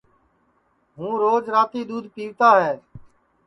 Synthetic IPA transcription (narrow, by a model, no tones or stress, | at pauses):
ɦũːɾoːd͡ʒɾaːt̪iːɗ̪uːd̪ʱpiːʋt̪aːɦɛː